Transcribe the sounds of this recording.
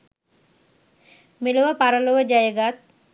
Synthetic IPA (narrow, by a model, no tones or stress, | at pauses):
miluʋəpaɾəluʋəd͡ʒajəɡat̪̚